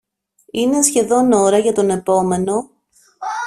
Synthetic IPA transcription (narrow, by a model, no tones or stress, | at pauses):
ine̞sçe̞ðo̞no̞ɾɐʝɐt̪o̞ne̞po̞me̞no̞